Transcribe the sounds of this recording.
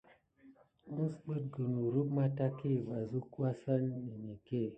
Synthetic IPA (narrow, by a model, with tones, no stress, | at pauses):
u˦sk͡pə˦t̚ɡə˨nu˨ɾu˦bma˦ta˦ki˦˨va˨zu˦ku˦a˦sa˦nːi˨ni˨ke˦˨